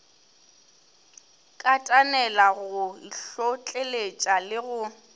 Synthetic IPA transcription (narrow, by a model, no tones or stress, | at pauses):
kʼatʼanɛlaɣʊiɬot͡ɬʼelet͡ʃʼalɪɣʊ